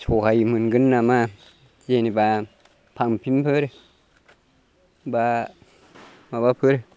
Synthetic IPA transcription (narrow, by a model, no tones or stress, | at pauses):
t͡ʃʰokajmɯnɡɯnːama | jeniba | pʰaŋmpʰimpʰəɾ | ba | mabapʰɯɾ